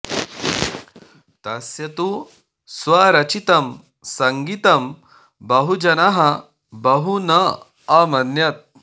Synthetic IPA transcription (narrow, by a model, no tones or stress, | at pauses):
t̪ɐsjɐt̪u | sʋaɾɐt͡ʃit̪ɐm | sɐŋɡit̪ɐm | bɐɦud͡ʒɐnɐɦɐ | bɐɦunɐ | ɐmɐnjɐt̪̚